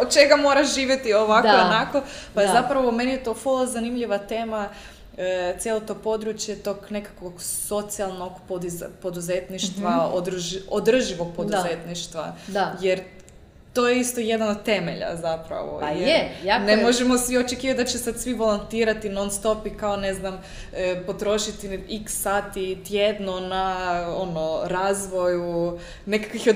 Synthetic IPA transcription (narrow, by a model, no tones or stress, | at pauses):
od̪̚t͡ʃeɡamo̞ːɾaʃʒiːʋʲjet̪ioʋakoonako̞pajezapɾaʋomenijet̪o̞folˠozanimʎiʋat̪eːma | t̪sjelˠot̪o̞po̞d̪ɾut͡ʃjet̪o̞ɡne̞kḁkʋoɡso̞t̪sialˠnoɡpod̪ipod̪uzet̪niʃt̪ʋaod̪od̪r̩ʒiʋoɡ̚pod̪uzet̪niʃt̪ʋa̰ajeɾ | t̪ojeist̪ojed̪anod̪̚t̪e̞mḛʎa̰zapɾa̰ʋo̰jjnemoʒemosiot͡ʃekiːʋat̪̚d̪at͡ʃesad̪sʋibolˠont̪iːɾat̪inonst̪o̞pikaoneznam | əpo̞t̪ɾo̞ʃit̪iiksːaːt̪it̪jed̪nonaonoɾazʋo̞ju | nekḁkʋixo